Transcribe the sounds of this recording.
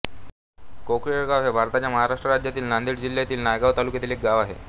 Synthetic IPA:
kokɾiɽɡaʋɦebʱaɾt̪at͡ɕjaməɦaɾaʂʈɾəɾad͡ʑjat̪iːlnand̪iːɽd͡ʑilːjat̪iːlnajɡaʋt̪alukjat̪iːlek̚ɡaʋaɦḛ

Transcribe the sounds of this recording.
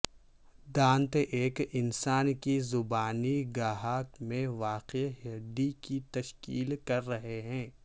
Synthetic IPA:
d̪ãːnt̪eʔeːkɪnsaːnkizʊbaːniɡaːɦaːkmẽʋaːqeɦeɾd̪ikit̪ɐʃkḭːlkɐɾːɐɦeɦɛ̃ː

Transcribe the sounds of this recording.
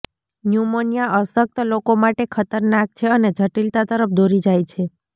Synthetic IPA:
njumonijaʔəsək̚t̪əlokomaʈekʰət̪əɾnak̚t͡ʃʰeəned͡ʒʱəʈilt̪at̪əɾəpd̪ʱoɾid͡ʒajt͡ʃʰe

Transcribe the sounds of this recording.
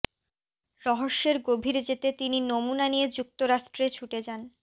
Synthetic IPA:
ɾɔɦoʃːeɾɡobʱiɾd͡ʑet̪et̪ininomunanijed͡ʑuk̚t̪oɾaʃʈɾet͡ɕʰuʈed͡ʑan

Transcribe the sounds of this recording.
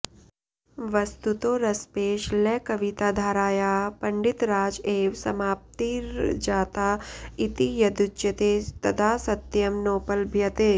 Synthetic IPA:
ʋɐst̪ut̪oːɾɐspeːʃlɛːkɐʋit̪aːd̪ʱaːɾaːjaːpɐɳɖit̪ɾaːd͡ʒeːʋsɐmaːp̚t̪iɾd͡ʒaːt̪aːit̪ijɐd̪ut͡ʃjɐt̪eːt̪ɐd̪aːsɐt̪jɐmnoːpɐlbʱjɐt̪eː

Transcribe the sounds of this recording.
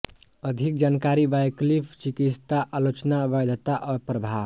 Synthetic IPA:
əd̪ʱik̚d͡ʒankaɾibajklipʰt͡ʃikit̪t̪aʔalot͡ʃnabajd̪ʱət̪aʔɔɾpɾəbʱa

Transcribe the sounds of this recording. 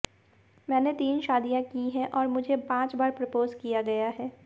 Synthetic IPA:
mɛːnet̪iːnʃaːd̪ijãkiɦɛ̃ʔɔːɾmʊd͡ʒʱepãːt͡ʃbaːɾpɾɐpoːzkijaɡɐjaɦɛː

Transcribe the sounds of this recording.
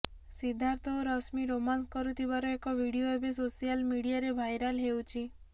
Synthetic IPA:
sid̪ʱaɾt̪ʰɔɾɔsmiɾomans̬kɔɾut̪ʰiβaɾɔekɔbʱiɽioebesosijalmiɽijaɾebʱajɾalɦewt͡ʃʰi

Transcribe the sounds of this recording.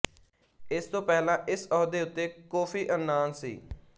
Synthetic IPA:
ɪst̪õːpɛːlãːʔɪsɔːd̪eːʊt̪ːeːkoːfʰiːʔənːaːnsḭː

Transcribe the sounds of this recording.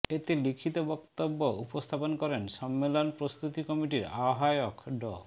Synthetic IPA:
et̪elikʰit̪obɔkt̪obːoupost̪ʰaponkɔɾenʃɔmːelonpɾost̪ut̪ikɔmiʈiɾaɦaokɖɔ̰

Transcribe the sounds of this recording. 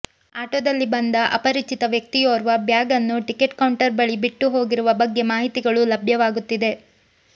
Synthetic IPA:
aːʈoːd̪ɐlːibɐnd̪ɐʔɐpɐɾit͡ʃit̪ɐʋjɐk̚t̪ijoːɾuʋɐbjaːɡɐnːuʈike̞ʈkɐwɳʈɐɾbɐɭibiʈːuɦo̞ːɡiɾuʋɐbɐɡːe̞maːɦit̪iɡɐɭulɐbʱjɐʋaːɡut̪ːid̪e̞

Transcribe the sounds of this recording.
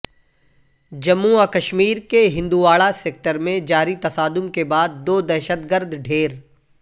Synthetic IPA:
d͡ʒɐmːuakəʃmiːɾkeɦɪ̃nd̪uʋaːɭaseːk̚ʈəɾmẽd͡ʒaːɾit̪ɐsaːd̪ʊmkebaːd̪ːoːd̪ɛːʃət̪ɡəɾd̪ɖʱeːɾ

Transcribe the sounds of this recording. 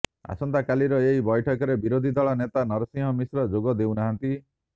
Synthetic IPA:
a̰sɔnt̪akaliɾɔeɦibɔjʈʰɔkɔɾebiɾod̪ʱid̪ɔɭɔnet̪anɔɾɔsĩŋɦɔmisɾɔd͡ʒoɡɔd̪ewnaɦant̪i

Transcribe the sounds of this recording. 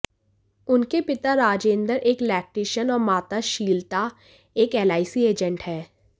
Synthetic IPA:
ʊnkepɪt̪aɾaːd͡ʒẽːnd̪əɾeːklɛːk̚ʈiːʃənɔːɾmaːt̪aʃiːlt̪a | eːkɛːlaːɪsieːd͡ʒə̃ɳʈhɛː

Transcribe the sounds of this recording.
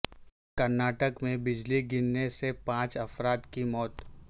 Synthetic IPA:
kɐɾnaːʈəkmẽbɪd͡ʒliɡɪnːesepãːt͡ʃɐfɾaːt̪kimɔːt̪

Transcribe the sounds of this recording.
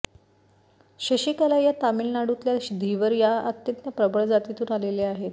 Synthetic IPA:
ɕəɕiːkalajat̪amilnaɽut̪ljaɕid̪ʱiʋəɾjaət̪jənt̪nəpɾəbəɭd͡zat̪it̪uːnaleleaɦet̪

